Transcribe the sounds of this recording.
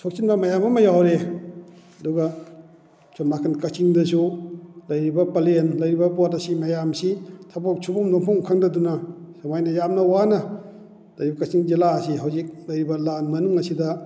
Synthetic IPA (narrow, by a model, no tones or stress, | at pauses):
sʰok̚t͡ʃinbɐmɐjamɐmɐjawɾe | ɐduɡɐ | sʰonmakʰankɐt͡ʃiŋdɐsulɐjɾibɐpɐlenlɐjɾibɐpotɐsimɐjamsitʰɐbok̚t͡ʃʰubumdɔŋpʰɔŋkʰaŋdɐdunɐsamajnɐjamnɐwanɐ | lɐjɾibɐkɐt͡ʃiŋd͡ʒilaːsiɦawzik̚lɐjɾibɐlanmɐnuŋɐsidɐ